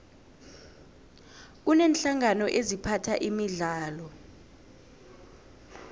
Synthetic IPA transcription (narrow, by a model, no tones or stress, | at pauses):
unenɬaŋanɔʔezipʰatʰaʔimiɮaːlɔ